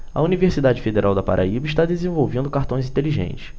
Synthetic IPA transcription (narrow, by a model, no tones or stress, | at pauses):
ɐ̰univeɾsid̪ad͡ʒɪfed̪eɾʔawd̪ɐpa̰ɾʔa̰ibɐiʃt̪ad̪ezẽvowvẽnd̪ʊkaɾt̪õj̃zĩt̪eliʒḛ̃nt͡ʃɪ̥s